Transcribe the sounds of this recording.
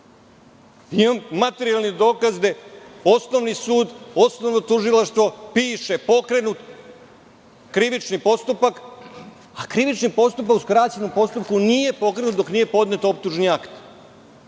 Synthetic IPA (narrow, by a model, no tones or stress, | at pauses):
imamːat̪e̞ɾijalnid̪o̞ːkazd̪eo̞sno̞ʋnisuːd̪o̞snoʋnot̪uʒilaʃt̪ʋo̞piːʂe̞po̞kɾe̞nut̪ | kɾiʋit͡ʃnipo̞st̪upak | akɾiʋit͡ʃnipo̞st̪up̬akuskɾaːt͡ɕenompo̞st̪up̚kunije̞po̞kɾe̞nut̪d̪o̞knije̞po̞d̪net̪op̚t̪uʒniakt̪